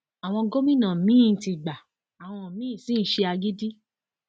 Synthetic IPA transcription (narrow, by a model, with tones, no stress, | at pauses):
a˨w̃ɔ̃˧ɡo˦mĩ˦nã˨mĩ˦˨n̩˨ti˧ɡ͡ba˨ | a˨w̃ɔ̃˧˨mĩ˦˨sĩ˦ʃe˧a˧ɡi˦di˦